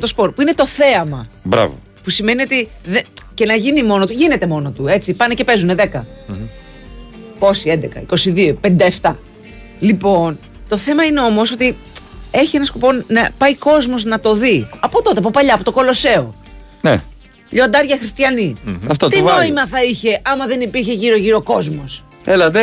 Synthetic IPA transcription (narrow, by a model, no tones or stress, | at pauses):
t̪o̞spo̞ɾpuine̞t̪o̞θe̞ɐmɐbɾɐ̰vo̰ | pusime̞nio̞t̪iðece̞nɐʝinimo̞not̪uʝine̞t̪e̞mo̞no̞t̪ue̞t͡sipɐnece̞pe̞zune̞ðe̞kɐ | po̞siend̪ekɐ̰iko̞siðio̞pe̞nid̪ɐeft̪ɐ | lipo̞n | t̪o̞θe̞mɐine̞o̞mo̞sot̪i | e̞çie̞nɐskopo̞nɐpɐiko̞zmo̞znɐt̪o̞ðiɐpo̞t̪o̞t̪e̞ɐp̬opɐʎɐːpot̪o̞ko̞lo̞se̞o̞ | nḛ | ʎo̞nd̪ɐɾʝɐxɾist̪çɐniɐft̪ot̪ino̞imɐθɐiçe̞ʔɐmɐðe̞nipiɾç̬e̞ʝiɾo̞ʝiɾo̞ko̞zmo̞s | elɐe